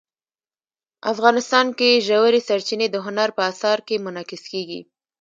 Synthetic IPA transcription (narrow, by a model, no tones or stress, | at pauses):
afɣɑnɪst̪ɑnkeʒawəɾesaɾt͡ʃined̪əɦʊnaɾpəasɑɾkemʊnɑkɪskeɡḭ